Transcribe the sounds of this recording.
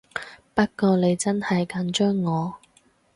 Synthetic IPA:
pɐ˥t̚kɔː˧ne˨˧jt͡sɐ˥nhɐ˨jkɐ˨˥nt͡ʃœː˥ŋːɔː˨˧

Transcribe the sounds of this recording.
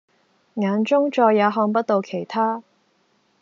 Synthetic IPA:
ŋaː˨˧nt͡ʃʊ˥ŋt͡ʃɔː˧jːaː˨˧ɦɔː˧ŋp̬ɐ˥t̚t̪o˧wkʰe˨˩jt̪ʰaː˥

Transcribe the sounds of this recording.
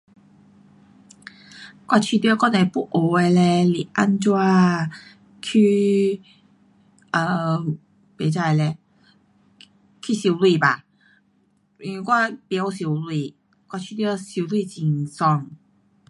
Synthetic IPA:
kwa˧t͡ɕʰi˧t̪i˧˥˧kɔ˥˧nɛ˨˧˩pu˥ʔo˨˧e˧lɛ˧li˨˩ʔa˧˥nt͡ɕwa˧ | kʰy˧ | ə˧˩ | pe˨˦t͡sa˧˩jlɛ˧ | kʰi˥˩si˧˦wlwi˧ba˨˩ | i˧˨˧kwa˥˧pja˧˦wsi˧˦wlwi˧˩ | kwa˧t͡ɕʰi˧jsi˧wlwi˥˧t͡ɕi˨˩ŋsɔ˧˩ŋ

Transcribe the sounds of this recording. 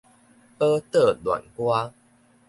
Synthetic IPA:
pə˦t̪ə˥˩lwa̰˨˩nhwa˦

